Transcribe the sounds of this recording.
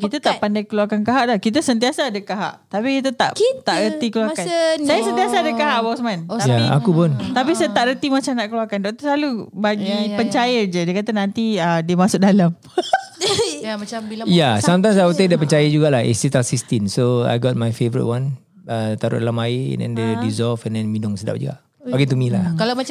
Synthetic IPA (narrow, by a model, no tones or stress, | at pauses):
kit̪at̪aʔpandajkəluakankaɦaʔlahkit̪asənt̪̬iasaːdəkaɦa̰ʔt̪apikit̪at̪a̰ʔt̪aʔɾət̪ikəluakansajasənt̪iasaːdəkaɦaʔbawsəmanjaa̰kupʊnt̪apisajat̪aʔɾət̪imat͡ʃamnaʔkəluakandɔʔt̪slalubaɡipəɲt͡ʃajəd͡ʒədiəkat̪anãnt̪iədiəmasʊʔ̚dalam | aambijasant̪̬ãnsaut̪adiəpəɲt͡ʃajəd͡ʒuɡaʔlahḭsit̪asist̪insoa̰jɡɔt̚majfevəɾḭt̚wãn | ət̪aɾʊ̰dlamaḭdɛ̰̃ndedizɔlfɛ̃ndɛ̃nmĩdʊŋsəda̰p̚d͡ʒṵɡa̰ʔ | baɡit̪umilaalaa